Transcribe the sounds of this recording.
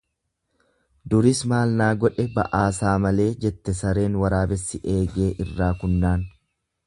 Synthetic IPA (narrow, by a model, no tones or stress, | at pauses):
d̪ʊɾɪsmaːlnaːɡɔᶑɛbɐ̰ʔaːsaːmɐle̞ːd͡ʒɛt̪ːɛsɐɾe̞ːnwɐɾaːbɛsːɪʔeːɡe̞ːʔɪrːaːkʊnːaːn